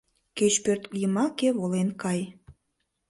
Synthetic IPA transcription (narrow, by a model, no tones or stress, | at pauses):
ket͡ɕpørt̪jəmɑkeβolenkɑj